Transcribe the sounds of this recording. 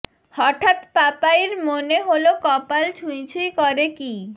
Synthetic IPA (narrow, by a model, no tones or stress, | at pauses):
hɔʈʰat̪papaeɾmoneɦolokɔpalt͡ɕʰujt͡ɕʰijkɔɾeki